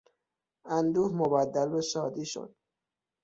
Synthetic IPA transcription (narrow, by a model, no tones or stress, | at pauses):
ænd̪uːhmobæd̪ːælːoʃɒːd̪iːʃo̰d̪̥̚